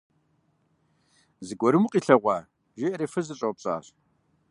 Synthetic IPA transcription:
zɨɡʷɔɾɨmuqʼiːɬɐʁʷɑː | ʒeʔɐɾeːfɨzɨɕʼɐwpɕʼa̰ːɕ

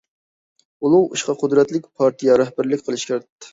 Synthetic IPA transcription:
ulˠuṵʃqɑqʰʊd̪ɾɛt̪lɪkʲpʰɑɾt̪ʰijɑɾɛhbæɾlɪkʲqʰəlˠɨʃkʲæɾt̪ːɪ̥

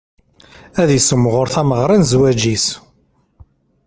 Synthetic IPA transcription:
æðjəsəmːʁʊɾθæməʁɾˤinzwæd͡ʒis

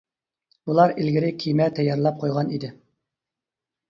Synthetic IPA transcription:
bulˠɑɾilɡʲiɾɪkʲʰijmɛt̪ʰɛjːɑɾlˠɑp̚qʰojʁɑnid̪ɪ

